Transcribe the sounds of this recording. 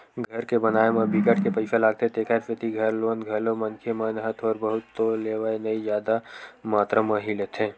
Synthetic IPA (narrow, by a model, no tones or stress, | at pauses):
ɡʱɐɾkebənaːemɐ̃bikəʈkepəɪsalaːɡ̚t̪et̪eːkʰaɾfʰɪt̪iɡʱɐɾloːnɡʱɐlomɐnkʰemənɦət̪ʰɔːɾbəɦʊt̪ːoleːʋaenəid͡ʒjaːd̪amaːt̪ɾamɐɦilet̪ʰẽː